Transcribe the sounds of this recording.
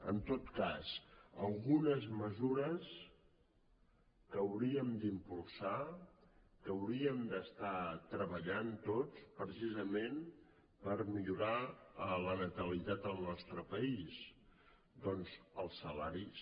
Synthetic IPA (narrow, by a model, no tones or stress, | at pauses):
ə̰nt̪ot̪kasə̰lˠɣunəzməzuɾəs | kəwɾiəmd̪impulˠsa | kəwɾiəmd̪əst̪at̪ɾəβəʎant̪ot͡spɾəsizəmen | pəɾmiʎuɾalənət̪əlit̪at̪əlˠnɔst̪ɾəpəis | d̪ɔnzəlˠsəlaɾis